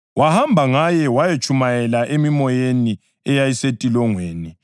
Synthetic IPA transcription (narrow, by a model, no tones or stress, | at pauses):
wahambʱaŋajɛwajet͡ʃʼʰumajɛlaʔemimɔjeni | ɛjajisetʼilɔŋweːni